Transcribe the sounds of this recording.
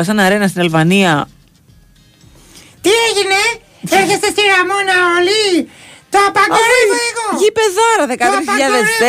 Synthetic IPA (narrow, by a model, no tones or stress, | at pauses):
ɐs̬ɐnɐɾenɐst̪inelvɐniɐ | t̪ieʝine | eçest̪est̪iɾɐmonɐolit̪oapɐɡoɾoeɣoʝipeðɐɾɐðekɐt̪ɾis̬çiʎɐðese